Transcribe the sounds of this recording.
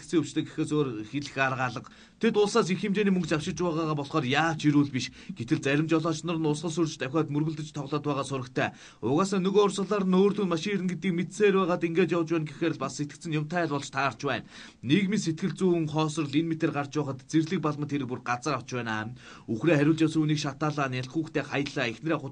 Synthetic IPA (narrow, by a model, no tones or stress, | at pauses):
kt͡seːɵwt͡ɕt̪ʰeːɡe̥xeːsoːrxeɮɘ̆xarʁaːɮə̆q | t̪ʰet̪ʊɮsaːs̬ixemt͡ɕeːniːmɵŋkt͡ɕawʃɪ̆t͡ɕpæːʁaːʁaːpɔɮχɔːrjaːwt͡ɕiɾuːɮpiʃɡ̥et̪ɘ̆ɮt͡sæɾʲɪ̆mt͡ɕɔɮɔːt͡ɕnɔ̆rə̆nʊsʁə̆ɮsɵrt͡ɕt̪æwʲaːt̪mɵrɣɵ̆ɮt̪ɵ̆t͡ɕt̪ʰɔʁɮɔːt̪pæːʁaːsʊɾə̆kt̪ʰæː | ʊɣaːsaːnɵɣʊrsə̆ɮaːɾə̆noːrt̪uːnmaʃieɾɘ̆nɡet̪ɡiːkmet̪seːrpæːʁaːt̪iŋɡeːt͡ɕjawt͡ɕpæːnɡexeːɾ̆ɮpasːet̪ɘ̆k̪sɘ̆ŋjʊm̥t̪ʰæːɮpɔɮt͡ɕt̪ʰaːrt͡ɕpæːnː | ekminset̪̚ɡɘ̆ɮt͡suːŋχɔːsɞ̆rɮenmet̪ĕrɢart͡ɕpʊːχə̆t̪t͡serɮɘ̆k̚paɮmə̆nt̪ʰeɾɘ̆k̚purɢat͡sə̆raw̥t͡ɕpæːna̰ː | uxreːχæɾʲʊːɮt͡ɕawsə̆runiːkʃat̪aːɮaːnjaɬχuːxt̪ʰeːχajə̆ɮaːexn̆ɾeːχʊ